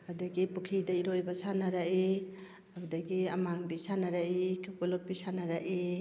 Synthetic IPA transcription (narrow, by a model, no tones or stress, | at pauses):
adaɡipukʰidaiɾojbasanaɾai | abudaɡiamaŋbisanaɾaʔikʰapulɔp̚ːisanaɾaʔi